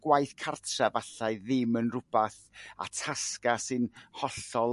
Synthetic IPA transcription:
ɡ̥wajθkʰartʰravaɬaɨðɪmənrʊbaθ | a̰tʰaskasɨnhɔɬɔl

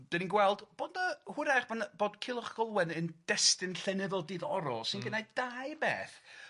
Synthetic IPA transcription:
d̥ɛninɡwɛlˠd̥b̥oːdəhʊɾaχb̥anb̥oːdkʰɪlˠɔχɡ̥əlˠwɛnənd̥ɛstɨnɬɛnɨðɔlˠdiːðɔɾɔsɪnɡənajdajbeːθ

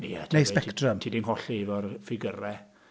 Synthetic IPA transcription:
ɛnejspɛktrəmtʰiːdinɦɔɬevɔrfɪɡəɾɛ

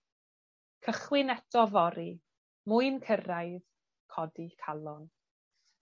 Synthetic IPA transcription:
kʰəχwɪnɛtɔvɔɾi | mʊɨnkʰərajð | kʰɔdikʰalˠɔn

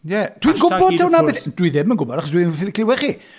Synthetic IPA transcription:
jɛd̥winɡʊbɔd̥̚tʰɛwnabɪθd̥wiðɪmənɡʊbɔdaχɔsdwiðɪɪkʰlɪwɛχi

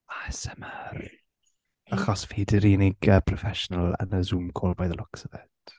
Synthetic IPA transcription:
asɛməɾ | əχɔsfiːdɪɾiːnɪɡəpʰrɔfɛʃɔnəlˠə̰nəzumkʰolˠvajðəlʔʊksəvɛd̥

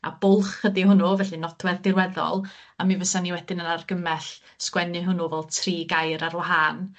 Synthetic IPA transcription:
a̰bʊlˠχədiɦʊnuvɛɬɨnɔdwɛðdɪrwɛðɔ̰lˠamivəsaniwɛdɪnənarɡəmɛɬ | skwɛnɨɦʊnuvɛlˠtʰriːɡajɾarwaɦan

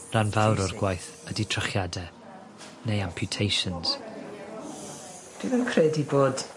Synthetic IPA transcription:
ranvawɾɔrɡwajθ | əditʰrəχjadɛ | nejampʰjʊtʰejʃənz̥ | d̥wivənkʰrɛdiboːd̥

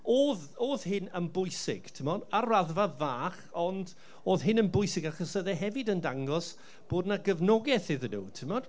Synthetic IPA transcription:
oːð | oːðhɪnənbʊjsɪ̰ɡ̥tʰɪmɔdaraðvavaːχɔnd | oːðɦɪnənbʊjsɪɡaχɔsəðɛɦɛvɨdəndaŋɡɔs | b̥oːdnaɡəvnɔɡɛθɪðənṵːtʰɪmɔd̥

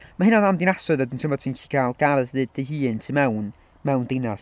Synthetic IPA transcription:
mahɪnaðamdɪnasʊðɔdɪntʰɪmɔd̥̚tʰinçi̥kʰaːlˠɡ̥aɾəððɨːd̚d̥əhiːntʰimɛwn | mɛwndenas

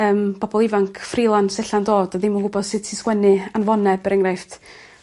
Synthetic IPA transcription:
əːmbɔbɔlˠɪvaŋkʰfrilˠansɛɬandoːdaðɪmənɡʊbɔð̥sɨd̥tʰiskwɛnɨanvɔnɛbəɾɛŋrajft

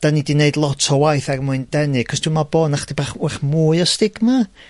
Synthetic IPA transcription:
d̥anidineɨdlˠɔtʰɔwajθarmʊɨndɛnɨkʰɔsd̥umaboːnaχd̥ibaχaχmuːɨɔstɪɡ̥ma

